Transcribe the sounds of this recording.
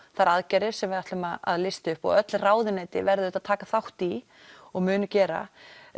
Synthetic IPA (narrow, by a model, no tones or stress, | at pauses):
θaɾaðcaɾɪɾ̥sɛmvɪðaht̪lʏmaða̰ðlɪst̪ʏhpɔ̰ɣœt̪lraːwðɪneːt̪ɪvɛɾðɪʏaðt̪ʰaːkaθawht̪i | ɔɣmʏːnʏcɛːɾa̰